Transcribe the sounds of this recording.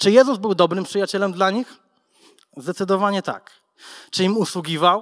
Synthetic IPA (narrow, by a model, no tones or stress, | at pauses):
t͡ʂɘjɛzuzbɘwd̪ɔbɾɘmpʂɘjat͡ɕɛlɛmd̪laɲix | zd̪ɛt̪sɘd̪ɔvaɲɛt̪a̰k | t͡ʂɘimuswuɡʲivaw